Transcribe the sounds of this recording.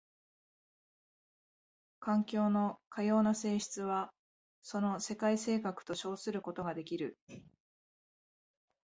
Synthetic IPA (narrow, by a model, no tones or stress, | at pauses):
kãŋkʲo̞ːno̞kʰajo̞ːnase̞ːɕi̥t͡sɨβa | so̞no̞se̞kaise̞ːkakɯ̟̥t̪o̞ɕo̞ːsɨɾɯ̟ko̞t̪o̞ɡad̪e̞kʲiɾɯ̟